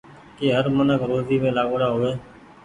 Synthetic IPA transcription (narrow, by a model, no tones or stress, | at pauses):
keːɦəɾmənəkɾoːziːmẽːlaːɡoːɽaːɦoːʋeː